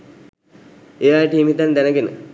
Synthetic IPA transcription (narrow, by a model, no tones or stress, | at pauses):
eʋaːjəʈiimit̪and̪ænəɡenə̰